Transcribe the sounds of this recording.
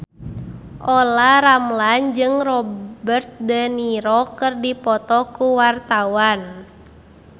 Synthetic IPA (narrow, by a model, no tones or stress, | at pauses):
ʔɔlaɾamland͡ʒɨŋrɔbərt̪̚dəniɾɔkɨrdipɔt̪ɔkuwart̪awan